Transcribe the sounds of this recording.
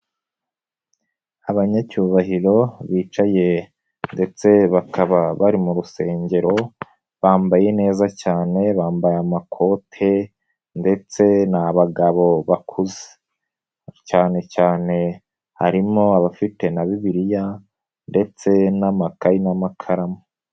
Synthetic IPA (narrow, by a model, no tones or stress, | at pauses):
aβaɲacuːβaɦiɾo̞βiːt͡ʃaje̞ | nde̞t͡se̞βakʰaβaβaɾimuɾuse̞ːɲɟe̞ɾo̞ | βaːmbaje̞ne̞ːzacaːne̞βaːmbajamakʰo̞tʰe̞ | nde̞t͡se̞naβaɡaβo̞βakʰuze̥ | caːne̞caːne̞ | ha̰ɾimo̞aβafite̞naβiβiɾija | nde̞t͡se̞namakainamakʰaɾamo